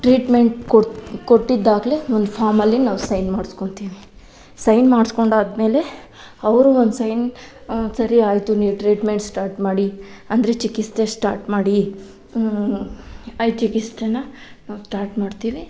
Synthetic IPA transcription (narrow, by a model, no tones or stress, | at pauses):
ʈɾiːʈmeɳʈkokoʈːid̪ːaːɡleond̪upʰaːɾmɐlːinaːʋusɐjnmaːɽskoɳt̪iːʋi | sɐjnmaːɽsko̞ɳɖaːd̪me̞ːle̞ | ɐʋɾuond̪sɐjn | sɐɾiaːjt̪uniːʋʈɾiːʈme̞ɳʈsʈaːɾʈmaːɽiɐnd̪ɐɾe̞t͡ʃikist̪esʈaːɾʈmaːɽi | ɐjt͡ʃikist̪enɐnaːʋsʈaːɾʈmaːɖt̪iːʋi